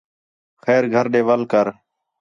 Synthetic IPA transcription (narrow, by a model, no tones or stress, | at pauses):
xɛːɾɡʱəɾɗeːʋəlkəɾ